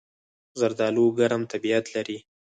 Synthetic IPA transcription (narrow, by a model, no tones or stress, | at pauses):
zaɾd̪ɑloɡaɾamt̪abiat̪laɾi